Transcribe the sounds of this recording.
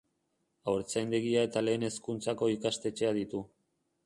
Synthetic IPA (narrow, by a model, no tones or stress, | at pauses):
awɾt͡sajnd̪e̞ɣiae̞t̪ale̞ːne̞skunt͡sako̞ikast̪e̞t͡ʃe̞aðit̪u